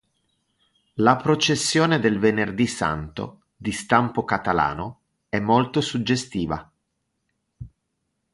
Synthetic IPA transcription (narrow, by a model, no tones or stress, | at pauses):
lapɾot͡ʃesːjoːned̪elvenerd̪isa̰nt̪o̰ | d̪ist̪ampokat̪ala̰ːno | ɛmːolt̪osud͡ʒːest̪iːva̰